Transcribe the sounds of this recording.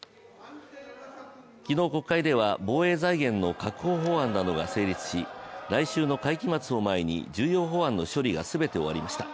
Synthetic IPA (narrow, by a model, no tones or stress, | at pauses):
kʲino̞ːko̞kkːaid̪e̞β̞abo̞ːe̞ːzaiɡẽ̞nːo̞kakɯ̟̥ɦo̞ːɦo̞ãnːano̞ɡase̞ːɾʲit͡sɨ̥ɕiɾaiɕɨːno̞kaikʲimat͡sɨo̞mae̞ɲ̟ḭd͡ʑɨːjo̞ːɦo̞ãnːo̞ɕo̞ɾʲiɡa̰sɨbe̞t̪e̞o̞βaɾʲimaɕi̥t̪a